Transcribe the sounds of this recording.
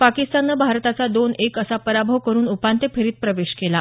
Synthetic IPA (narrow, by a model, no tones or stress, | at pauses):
pakist̪anːəbʱaɾt̪at͡sad̪onekəsapəɾabʱəʋkəɾuːnupant̪epʰeɾiːt̪̚pɾəʋeɕkela